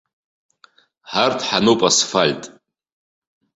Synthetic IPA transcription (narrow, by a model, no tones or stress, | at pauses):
ħartʰħanopʼasfalʲtʼ